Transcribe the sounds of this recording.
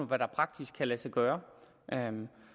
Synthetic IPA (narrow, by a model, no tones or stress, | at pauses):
oʋæɾ̥ɑ̈pʰʁɑ̈ɡ̥̚d̥isɡ̥ʰælæsɑɡ̥œːɐ | ʔø